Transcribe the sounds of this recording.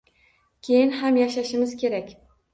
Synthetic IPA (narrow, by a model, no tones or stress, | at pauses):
kʲʰe̞jɪnɦamjaʃaʃɪmɪz̥kʲʰe̞ɾakʲ